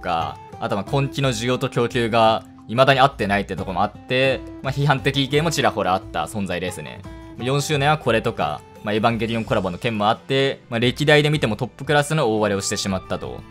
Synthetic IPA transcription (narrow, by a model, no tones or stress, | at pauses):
oka̰ | a̰t̪omakʰõ̞ŋkʲino̞ʑijo̞ːt̪o̞kʲo̞ːkʲɨːɡa | imad̪aɲ̟iat̪ːe̞nait̪ːet̪o̞komoat̪ːe̞maçiɦãnt̪e̞kʲiːkẽ̞ːmo̞t͡ɕiɾako̞ɾeat̪ːa̰sõ̞nzaid̪e̞sɨnḛmajõ̞ɕɨːnẽ̞ɰ̃βakʰo̞ɾe̞t̪o̞ka̰ | mae̞bãŋɡe̞ɾʲiõ̞ŋko̞ɾabo̞nokẽ̞mmo̞at̪ːe̞maɾe̞kʲid̪aid̪e̞mʲit̪e̞mo̞t̪o̞pːɯ̟kɯ̟ɾasɨnooːβaɾe̞o̞ɕi̥t̪e̞ɕimat̪ːat̪o̞̰